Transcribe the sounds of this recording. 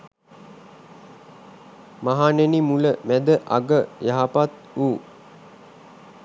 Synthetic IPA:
maɦanenimuləmæd̪əʔa̰ɡəjaɦapat̪ | uː

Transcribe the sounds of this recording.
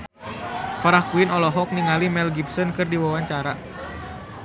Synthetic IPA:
faɾahkuinɔlɔɦɔk̚niŋalimɛlɡipsɔnkɨrdiwawaɲt͡ʃaɾa

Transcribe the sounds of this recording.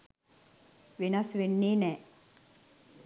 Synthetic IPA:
ʋenɐsʋenːeːnɛː

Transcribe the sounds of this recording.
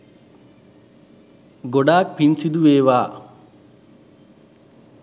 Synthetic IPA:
ɡoɖaːk̚pinsid̪uʋeːʋaː

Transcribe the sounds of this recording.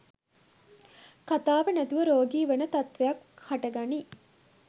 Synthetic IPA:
kat̪aːʋɐnɐt̪uʋəɾoːɡiːʋenɐt̪ɐt̪ʋejɐkhɐʈɐɡani

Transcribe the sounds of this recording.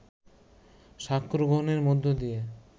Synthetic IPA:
ʃakʰːɾoɡoneɾmod̪ʱːod̪ije

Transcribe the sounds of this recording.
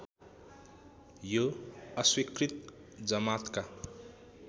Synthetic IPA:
joʌswikrit̪ | d͡zʌmat̪ka

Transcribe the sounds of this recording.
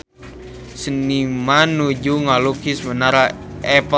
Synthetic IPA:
sənimanud͡ʒuŋalukismənaɾaʔɛpə

